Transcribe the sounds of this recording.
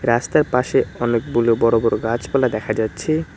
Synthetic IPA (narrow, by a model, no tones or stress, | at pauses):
ɾast̪aɾpaʃeɔnek̚boleobɔɾobɔɾoɡat͡ɕbɔlad̪ɛkʰad͡ʑatːɕʰe